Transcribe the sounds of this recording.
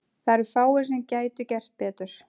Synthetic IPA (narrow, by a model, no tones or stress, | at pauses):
θaɾɪfaːwɪɾ̥s̬ɛmcaːjt̪ʏcɛr̥t̪̚pɛːt̪ʏɾ̥